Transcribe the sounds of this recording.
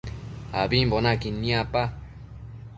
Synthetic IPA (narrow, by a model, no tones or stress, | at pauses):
a̰bimbonakinĩapa